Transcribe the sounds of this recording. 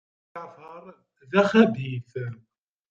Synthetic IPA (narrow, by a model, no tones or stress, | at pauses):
ʕvəɾˤ | ðæχæbiθ